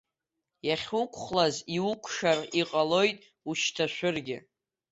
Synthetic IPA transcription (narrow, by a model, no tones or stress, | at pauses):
jaχʲʊkʷʰʼχlaziukʷʰʼʂariqʼalo̞jtʼ | uʃtʰaʃʷᶣʊrɡʲɪ